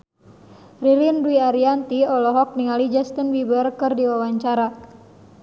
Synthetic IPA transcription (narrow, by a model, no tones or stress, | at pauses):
riɾinduiaɾiant̪iɔlɔɦɔk̚niŋalid͡ʒast̪ənbibərkɨrdiwawaɲt͡ʃaɾa